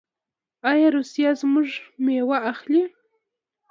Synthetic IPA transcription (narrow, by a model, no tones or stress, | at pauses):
ajaɾʊsjasmʊʐmewaʔːχʎɪ